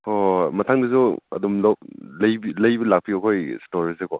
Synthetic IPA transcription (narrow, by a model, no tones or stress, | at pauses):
hɔmɐtʰaŋdɐs̬uɐ̰dumlɔlɐjbilɐjbɐlak̚piɔkʰojstoɾizekɔ